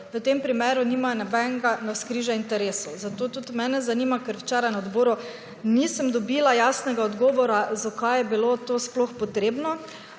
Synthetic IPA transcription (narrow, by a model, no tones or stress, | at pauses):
ʋət̪empɾimeːɾuniːmanɛbɛŋɡanaskɾiʒaint̪ɛɾesozat̪oːt̪ut̪mɛːnɛzaniːmakəɾwt͡ʃɛɾanod̪boːɾu | nisəmd̪ɔbilajasnɛɡaɔd̪ɡɔːʋɔɾazakajɛbilot̪osploxpɔt̪ɾeːbnɔ